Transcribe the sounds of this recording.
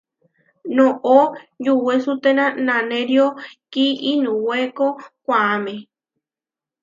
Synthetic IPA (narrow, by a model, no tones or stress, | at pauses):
nõʔod͡ʒuwesut̪enãnãnẽɾjokiʔinũwekokʷaamẽ